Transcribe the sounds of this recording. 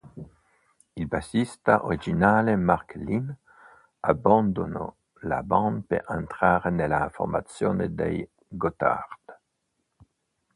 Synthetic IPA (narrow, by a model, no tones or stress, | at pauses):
ilbasist̪aʔo̰ɾid͡ʒinaːlemarklin | aband̪ono̰ | la̰bãnpḛant̪ɾaːɾenelafo̰rma̰t̪sjoːnḛd̪ḛj | ɡot̪a̰rd̪̥